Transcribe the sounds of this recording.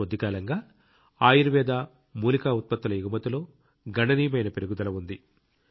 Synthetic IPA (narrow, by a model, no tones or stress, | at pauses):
od̪ːikaːlɐŋɡaː | aːjiɾuʋɛːd̪aː | muːlikaːut̪̚pɐt̪ːɐlɐjiɡumɐt̪ulo̞ː | ɡɐɳɐnijɐmɐjnɐpeɾuɡud̪ɐlɐʋund̪i